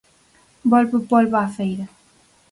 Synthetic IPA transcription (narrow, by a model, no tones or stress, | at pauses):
bɔlpəpɔlβaːfejɾɐ